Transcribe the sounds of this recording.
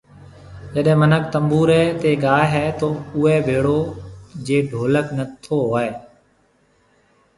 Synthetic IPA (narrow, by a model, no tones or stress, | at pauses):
d͡ʒəɗɛ̃ːmənək̚t̪əmbuːɾɛːt̪eːɡaːɦɦɛːt̪oːʊɛːbʱeːɽoːd͡ʒeːɖʱoːləknət̪ʰoːɦaːeː